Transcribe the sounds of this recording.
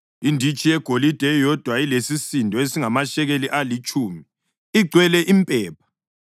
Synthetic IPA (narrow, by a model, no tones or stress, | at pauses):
indʱit͡ʃʼijɛɡ̥ʱolid̥ʱɛjɔd̥ʱwailesisindʱɔesiŋamaʃɛɣeliʔalit͡ʃʼuːmi | iɡ͡ǀʱwɛlɛʔimpʼɛːp̚ʰḁ